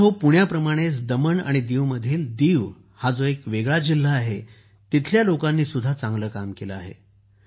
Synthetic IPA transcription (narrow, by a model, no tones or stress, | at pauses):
ɦopuɳjapɾəmaɽ̃et͡sd̪əməɳa̰ɽ̃id̪iʋməd̪ʱiːld̪iːʋ | had͡zoekʋeɡɭad͡ʑil̤ːaːɦe | t̪it̪ʰljalokanːiːsud̪ʱːat͡sãŋɡləːkamkeləa̰ɦḛ